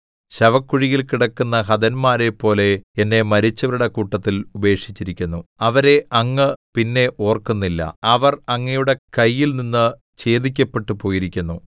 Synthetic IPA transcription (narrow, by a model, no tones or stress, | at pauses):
ɕɐʋɐkːuɻiɣilkiɽɐkːunːɐhɐd̪ɐnmaːɾe̞pːo̞ːle̞enːe̞mɐɾit͡ɕːɐʋɐɾuɽe̞kuːʈːɐt̪ːilube̞ːkʂi̥t͡ɕːiɾikʲːunːuɐʋɐɾe̞ʔɐŋːɨpinːe̞ʔo̞ːrkunːilːɐ̰ɐʋɐrɐŋːɐjuɽe̞kɐjːilninːɨ | t͡ɕe̞ːd̪ikʲːɐpːe̞ʈːupo̞ːjiɾikʲːunːu